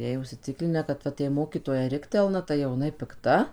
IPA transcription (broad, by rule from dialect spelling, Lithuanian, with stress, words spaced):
ˈjɛɪ ʊʃʲsʲɪˈt͡sʲɪklʲɪnʲæː kɐt ˈʋɐt jɛɪ ˈmoːkʲiːtoːjɛ ˈrʲɪktʲɛlˠnɐ tɐɪ jɛʊ jɪˈnɐɪ pʲɪkˈtɐ